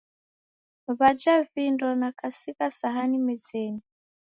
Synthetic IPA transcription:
βad͡ʒavindɔnakasikasaɦanimɛzɛni

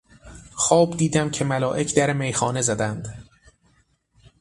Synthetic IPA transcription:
xɒːbd̪iːd̪æmcʰe̞mælɒːʔe̞cʰd̪æɾemejxɒːne̞zæd̪ænd̪̥

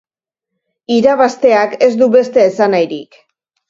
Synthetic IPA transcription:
iɾaβast̪e̞ake̞zd̪uβe̞st̪e̞ːsanajɾik

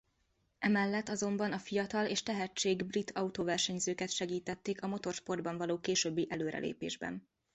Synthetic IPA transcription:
ɛmɛlːɛt̪ːɒzo̞mbɒnɒfijɒt̪ɒleːʃt̪ɛɦɛt͡ʃːeːɡbrit̪ʰɒut̪ovɛrʃɛɲzøːkɛt̪ʃɛɡiːt̪ɛt̪ːeːkɒmo̞t̪o̞rʃpo̞rd̪̚bɒɱvɒloːkeːʃøːbːiʔɛløːɾɛ̰lʔḛːpḛːʒbɛ̰n

